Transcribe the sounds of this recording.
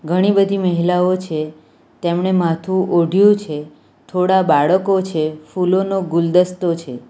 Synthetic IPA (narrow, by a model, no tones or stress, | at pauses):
ɡʱəɽ̃ibəd̪ʱiməɦilaot͡ʃʰe | t̪emɳemãt̪ʰũoɖʱjũt͡ʃʰe | t̪ʰoɽabaɭəkot͡ʃʰefulonoɡuld̪əst̪ot͡ʃʰe